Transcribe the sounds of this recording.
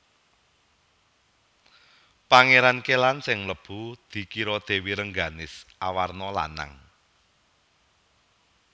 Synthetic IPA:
paŋeɾankelansɪŋləb̥ṳd̪̥i̤kiɾɔd̪̥e̤wiɾəŋɡanɪsʔawarnɔla̰na̰ŋ

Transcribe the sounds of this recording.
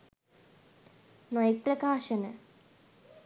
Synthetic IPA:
nɔjek̚pɾekaːʃene

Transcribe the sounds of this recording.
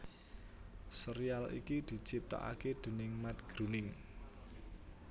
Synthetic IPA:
səɾialḭkid̪̥i̤t͡ʃip̚t̪a̰ʔa̰ked̪̥e̤nɪŋmat̪̚ɡ̥ɾunɪŋ

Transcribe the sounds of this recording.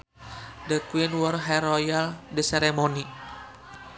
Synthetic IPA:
dəkwinwɔrɦɛɾɔjaldəsɛɾemoni

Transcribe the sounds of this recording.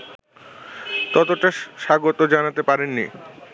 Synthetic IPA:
t̪ɔt̪oʈaʃaɡot̪od͡ʑanat̪epaɾenːḭ

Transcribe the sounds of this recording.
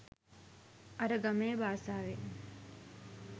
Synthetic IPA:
ɐɾəɡɐmeːbaːsaːʋe

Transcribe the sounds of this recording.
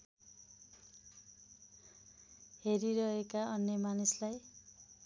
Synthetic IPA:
heɾiɾʌɦekaʌnjʌmanuslaj

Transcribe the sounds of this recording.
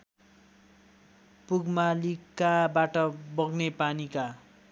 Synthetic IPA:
puɡmalikabaʈʌbʌɡnepanika

